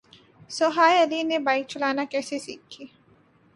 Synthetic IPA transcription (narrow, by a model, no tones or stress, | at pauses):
sʊɦaːjɐlinebaːɪk̚t͡ʃʊlaːnakɛːsesḭːkʰːiː